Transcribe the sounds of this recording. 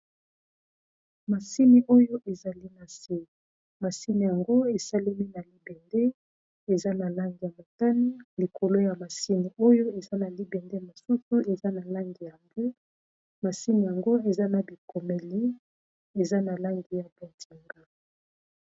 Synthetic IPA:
ma˨si˦ni˨ʔo˦jo˦ʔe˨za˨li˦na˨se˦ | ma˨si˦ni˨ja˨ŋɡo˦e˨sa˦li˦mi˦na˨li˦bɛ˨nde˦ | e˨za˦na˨la˦ŋɡi˨ja˨mo˨ta˦ni˦li˨ko˨lo˦ja˨ma˨si˦ni˨o˦jo˦e˨za˦na˨li˦bɛ˨nde˦ma˨su˦su˦e˨za˦na˨la˦ŋɡi˨ja˨ŋɡo˦ | ma˨si˦ni˨ja˨ŋɡo˦e˨za˦na˨bi˨ko˨me˨li˦ | e˨za˦na˨la˦ŋɡi˨ja˨bo˨tʰi˨ŋɡa˦

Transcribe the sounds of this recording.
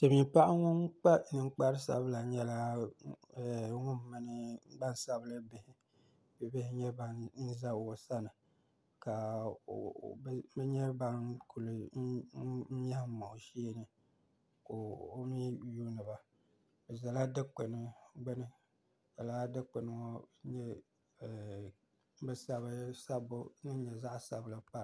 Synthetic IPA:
tɨ˨mi˨mpa˦ʔa˦ŋʊ˦ŋ˦k͡pa˦nɨ˨ŋ͡m̩˦k͡pa˦ɾɨ˦sa̰˨bɨ˦la˨ɲɛ˦la˦˨˦ | ŋʊ˦m˨˦mɨ˦nɨ˦ɡ͡ba˦n˦sa˦bɨ˦lɨ˦bɪ˨hɪ˦ | bɨ˨bɪ˦hɪ˦ɲɛ˦ba˦n̩˦za˦o˨sa˦nɨ˨ | ka˨ | bbɛ˦ɲɛ˦ba˦nkʰu˨lɨ˨˦ | ɲ˦a˦hmo˨ʃi˦e˦nɨ˦ | ko˨o˦mi˦juː˦nɨ˨ba˨ | bɛ˨za˨la˦dɨ˦k͡pe˨nɨ˨ɡ͡bɛ˦nɨ˦˨ | za˨la˦dɨ˦k͡pe˨nɨ˨ŋo˦ɲɛ˦˨˦ | bɨ˦sa˦βɨ˦sa˦bo˦nɨ˦ɲɛ˨za˦ʔsa˨bɨ˦lɨ˦pa˦˨

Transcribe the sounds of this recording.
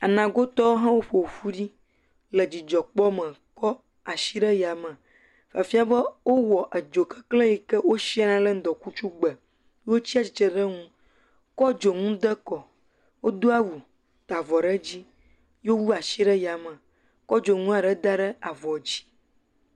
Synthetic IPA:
a˨nã˨ɡo˦t̪ɔ˦wo˦ɦã˦wo˦ɸo˨wfu˦ɖi˦ | lɛ˨d͡ʑi˨d͡ʒɔ˨k͡pɔ˦mə̃˨kɔ˦ | a˨ʃi˦ɖə˦ja˨mə̃˨ | fa˨fi˦a˦bə˦wo˦wɔ˨ʔə˨d͡ʒo˨kɛ˦kle˦ji˨kɛ˦wo˦ʃi˦a˦nã˦lə˦n̩˦d̪ɔ˨ku˦t͡ʃu˦ɡ͡bə˨˦ | wo˦t͡ɕi˦a˨t͡ɕi˨t͡ʃɛ˨ɖə˦ŋũ˦ | kɔ˦d͡ʒo˨ŋũ˦d̪ə˦kɔ˨ | wo˦d̪o˦a˦wu˨ | t̪a˨vɔ˨ɖɛ˦d͡ʑi˦ | jo˦wu˦a˨ʃi˦ɖɛ˦ja˨mə̃˨ | kɔ˦d͡ʒo˨ŋũ˦a˨ɖɛ˦d̪a˦ɖə˦a˨vɔ˨d͡ʑi̥˦

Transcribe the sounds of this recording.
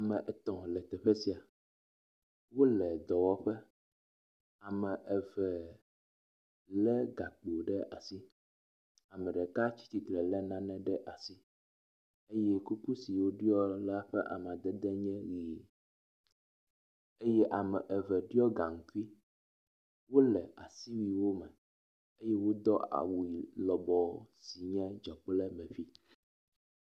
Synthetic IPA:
a˨mɛ̃˨ʔɛ˨t̪ɔ̃˨lɛ˨t̪ɛ˨ɸɛ˦si˨a˨ | wo˦lɛ˨d̪ɔ˨wɔ˦ɸɛ˦ | a˨mɛ̃˨ʔɛ˨vɛ˨ | lɛ˦ɡa˨k͡po˨ɖɛ˦ʔa˨si˦ | a˨mɛ̃˨ɖɛ˨ka˦t͡ɕi̥˦t̪i˨klɛ˨lɛ˦nã˦nɛ̃˦ɖɛ˦ʔa˨si˦ | e˦jɛ˦ku˦ku˦si˨wo˦ɖi˦ɔ˦la˦ɸɛ˦ʔa̰˨m˨a˨d̪ɛ˦d̪ɛ˦ɲɛ̃˦ɣi˨ | e˦jɛ˦ʔa˨mɛ˨ʔɛ˨vɛ˨ɖu˦ɔ˦ɡa˨ŋ̩˨ku˦i˦ | wo˦lɛ˨a̰˨si˦wi˨wo˦mɛ˨ | e˦jɛ˦wo˦d̪ɔ˦ʔa̰˨wu˨i˨lɔ˨bɔ˨si˨ɲɛ̃˦d͡ʒɔ˨k͡plɛ˦mɛ̃˨fi˦

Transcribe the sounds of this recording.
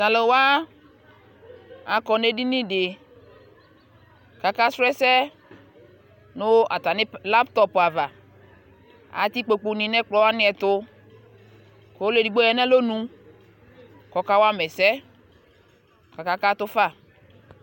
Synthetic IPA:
sã˨le˨wa˦ | a˨kɔ˨ne˦di˦nĩ˦ɖɪ˨ | ka˨ka˦sɾɛ˦sɛ˦ | nʊ˦ʔa̰˨t̪a˨nɪ˦la˦pt̪ɔ˦pa˨va˨ | a̰˨t̪i˦k͡po˨k͡po˨nĩ˨nɛ̃˦k͡plɔ˦wa˦nĩ˦ɛ˨t̪ʊ˦ | ko˨˦o˦le˨di˨ɡ͡bo˦jɛ˨nɛ̃˦lo˦nũ˨˦ | kɔ˨ka˦wa˦mɛ˨sɛ˦ | ka˨ka˦ka˦t̪ʊ˦fa˦˨

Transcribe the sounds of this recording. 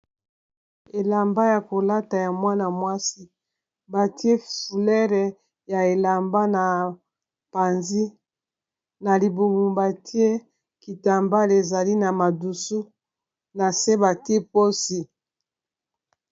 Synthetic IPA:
e˨la˨mba˦ja˨ko˨la˦ta˨ja˨mwa˦na˨mwa˦si˦ | ba˨ti˦e˦fu˨lɛ˦ʁɛ˨ | ja˨e˨la˨mba˦na˨ | pa˨nzi˦ | na˨li˨bu˨mu˨mba˨ti˦e˦ | ki˨ta˨mba˦le˨za˨li˦na˨ma˨du˨su˦ | na˨se˦ba˨ti˦e˦po˦si˦

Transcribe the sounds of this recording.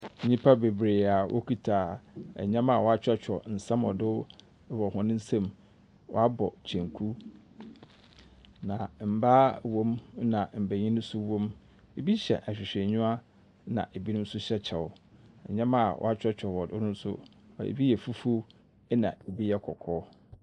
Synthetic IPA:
ɲĩ˦pʰa˦be˨bɾe˨a˨wʔɔ̰˦kʰi˦tʰaː˨ɛ̰˨ɲã˦ma˨wɔ˨a˦t͡ɕᶣɛ˦t͡ɕʰᶣɔ̰˨n̩˨sã˦mɔ˨dʊ˦ | wɔ˨hʊ̃˨˦nɪ̃˦n̩˦sã˦m | wɔ̰˦a˦bɔ˨t͡ɕʰɛ̃˨ŋkʰu˦ | nã˨m̩˨baː˦wɔ̃˦m˦nã˨m̩˨bæ˨ɲĩ˦nʊ̃˦sʊ˦wɔ̃˦m | e˨bi˦ɕɛ̰˨ʔæ˨ɕᶣɪ˨ɕᶣɛ˨ɲʊ̃˦a˦ | nã̰˨ʔe˨bi˦nʊ̃˦m̩˦sʊ˦ɕɛ˦t͡ɕʰɛ˨ʊ˨ɛ̰˨ɲã˦ma˦˨wʔɔ̰˦a˦t͡ɕᶣɛ˦t͡ɕᶣʰɔ˨wɔ˨dʊ˦nʊ̃˦n˦sʊ̰˦˨ | ḛ˨bi˦jɛ˨fu˦fu˦ | ɛ˦nã̰˨e˨bi˦jɛ˦kʰɔ̰˨kʰɔː˦

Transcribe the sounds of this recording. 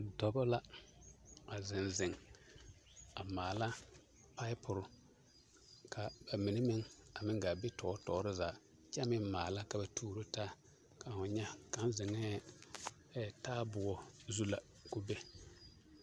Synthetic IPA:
dɔ˨bɔ˦la˦ | a˨zɪ˨nzɪ˨ŋ | a˨maː˨la˦ | pa˦ɪ˦pʰʊ˨ɾʊ˦ | kʰa˨ba˨mi˨nɪ˦mɪ˦ŋa˨mɪ˦ŋɡa˨be˦tɔː˨˦tɔː˨˦ɾɪ˦zaː˨ | t͡ʃɛ˦mɪ˦mmaː˨la˦ka˨ba˨tʰuː˦ɾo˦taː˦ | ka˨hʊ˨ɲɛ˦ka˨˦nzɪ˨ŋɛ˦˨ | taː˦bʊ˨ɔ˨zu˦la˨ | kʊ˦be˦

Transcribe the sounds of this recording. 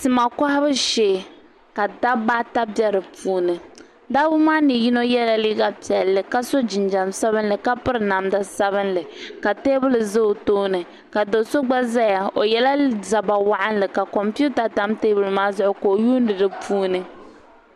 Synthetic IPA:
sɨ˦ma˨ka˦ha˦bɨ˦ʃeː˦˨ | ka˨da˦baː˦ta˦bɛ˦ɾɨ˨puː˦nɨ˨ | da˦bʊ˦maː˦nɨ˨ji˦no˦jɛ˦la˦li˦ɡa˦pi˨ɛ˨lːɨ˨ka˦so˦d͡ʒɪ˨nd͡ʒa˨msa˦βɨ˦n˦lɨ˨ka˦pɨ˦ɾɨ˨na˨mda˦sa˦βɨ˦nlɨ˨ka˨teː˦bʊ˦lɨ˨zɨ˦ʊ˨toː˦nɨ˨ | ka˨do˨so˦ɡ͡ba˦za˦ja˨o˨jɛ˦la˦za˨ba˨wa˦ʔa˦nlɨ˨ka˨kɔ˨mpu˦ta˨ta˦mteː˦bʊ˨lma˦zʊ˦ʔʊ˦koː˨juː˦n˦dɨ˨dɨ˦pʰuː˦nɨ˦

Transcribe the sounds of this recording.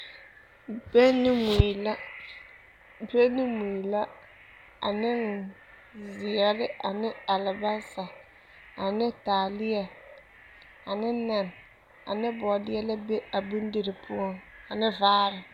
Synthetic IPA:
b̥e˦nɪ˦mu˨la˦ | be˦nɪ˦mu˨i˨la˦ | a̰˨nɪ˦n | zɪ˨ɛ˨lɪ˦a˨nɪ˦a˨lɪ˨ba˦sa˨ | a˨nɪ˦taː˨lɪ˦ɛ˨ | a˨nɪ˦na˨n | a̰˨nɪ˦bɔ˨dɪ˦ɛ˦la˦be˦a˨bu˦n˦di˨ɾɪ˨pʰʊ˦ɔ˦˨ŋa˨nɪ˦vaː˦ɾɪ˨

